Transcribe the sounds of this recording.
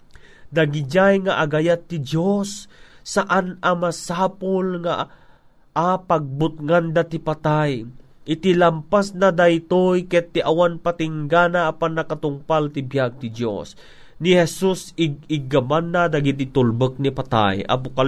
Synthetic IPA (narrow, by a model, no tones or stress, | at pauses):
d̪aɡɪd͡ʒajŋaʔaɡajat̪ːɪd̪josːaʔanamasaːpolŋa | ʔapaɡ̚bʊt̪̚ŋand̪at̪ɪpat̪aj | ʔɪt̪ilampasnad̪ajt̪ojkɛt̪ːiʔawanpat̪ɪŋɡanaːpanːɐkat̪ʊŋpalt̪ɪbjaɡ̚t̪ɪd̪jo̰s | nihɛsusɪɡɪɡamanːad̪aɡid̪ɪt̪ʊlbək̚nipat̪a̰jʔa̰p̬ʊka